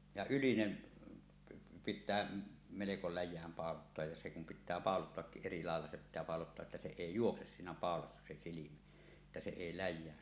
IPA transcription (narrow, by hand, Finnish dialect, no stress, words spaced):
jɑ ylinen pitˑæː meleko læjˑæːm pɑˑolotːoɑj jɑ se kum pitˑæː pɑˑolotːoɑkːiʔ ʔeri lɑˑelːɑ se pitˑæː pɑˑolotːoɑʔ ʔetːæ se eˑi juokses sinæ pɑˑolɑsːɑ se silimæ ĕtːæ se eˑi læjˑæːn